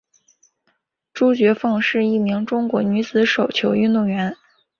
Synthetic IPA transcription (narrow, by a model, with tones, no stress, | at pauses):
ʈ͡ʂu˥t͡ɕɥɛ˧˥fɑ˥˧ŋʂɻ̩˥˧i˥˩mi˧˥ŋʈ͡ʂʊ˥ŋkwɔ˧˥ny˧˥t͡sɹ̩˧˥ʂo˨˩ʊt͡ɕʰjo˧˥ʊy˥˧nt̪ʊ˥˩ŋɥɛ˧˥n